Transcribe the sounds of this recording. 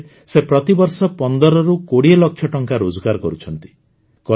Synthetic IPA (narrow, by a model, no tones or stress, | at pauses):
sepɾɔt̪ibɔɾsɔpɔnd̪ɔɾɔɾukoɽielɔkʰjɔʈɔŋkaɾod͡ʒɔɡaɾɔkɔɾut͡ʃʰɔnt̪i̥ | kɔ